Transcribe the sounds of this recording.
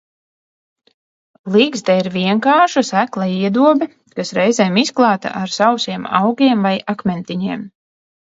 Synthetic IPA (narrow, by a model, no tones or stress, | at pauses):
lˠiɡzd̪ɛiɾviɛŋkaːʃusæklˠaiɛd̪uɔbɛ | kasɾɛjzɛːmisklˠɑːt̪a̰ʔaɾsawsiɛma̰wɡʲiɛmvajakmʲɛnt̪iɲiɛm